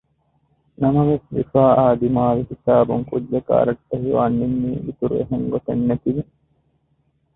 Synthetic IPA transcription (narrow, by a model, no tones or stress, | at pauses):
nɐmɐʋesʋifaːʔaːd̪imaːʋihisaːbuŋkud̪ːɐka̰ːɾɐʈːɐɦiʋaːnːimːiːʔit̪uɾṵeɦeŋɡot̪ɐnːet̪iʋi